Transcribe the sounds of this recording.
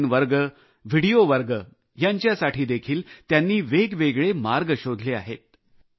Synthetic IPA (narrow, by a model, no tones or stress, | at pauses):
nʋəɾɡə | ʋiɽioʋəɾɡə | jaɲt͡ɕjasaʈʰiːd̪ekʰiːlt̪janːiːʋeɡʋeɡɭemaɾɡəɕod̪ʱlea̰ɦet̪̚